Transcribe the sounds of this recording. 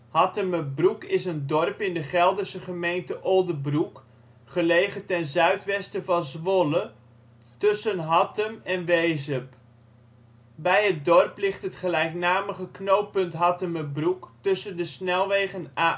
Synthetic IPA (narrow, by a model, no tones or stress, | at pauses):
hɑtəməbrukɪsəndɔrpɪndəχɛlˠdəɹsəχəmejntəʔolˠdəbruk | χəlejχətɛnzœɥtʋɛstəvɑnzʋolə | tɵsənɦɑtəmɛnʋejzəp | bɛjɦət̚dɔrplɪχtɦətχəlɛjknaːməχəknowpɵntɦɑtəməbruktɵsəndəsnɛlˠʋeːχəna